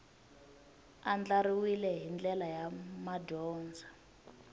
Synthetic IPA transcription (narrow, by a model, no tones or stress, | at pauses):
and͡ɮariwilɛɦind͡ɮɛlajamadɔːnd͡zʱa